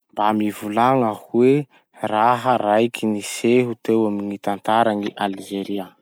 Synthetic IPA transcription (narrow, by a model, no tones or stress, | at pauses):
mbamivulaŋahuwe | raɦəɾajkʰiniseɦut̪ewaminit̪ant̪aɾaniʔaliʒeɾia